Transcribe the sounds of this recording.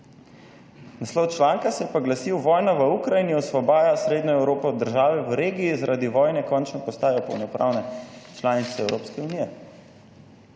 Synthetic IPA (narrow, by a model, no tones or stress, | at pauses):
naslɔwt͡ʃlaːŋkasɛjɛpaɡlasiwʋɔːjnaʋəukɾajiniɔsʋɔbaːjasɾeːd̪ɲɔɛwɾoːpɔd̪ːəɾʒaːʋɛʋəɾeːɡiːzaɾʔaːd̪iʋɔːjnɛkɔnt͡ʃnɔpɔst̪aːjɔpɔ̰wnɔpɾa̰ːwnɛt͡ʃlaːnit̪sɛɛwɾoːpskɛuniːɛ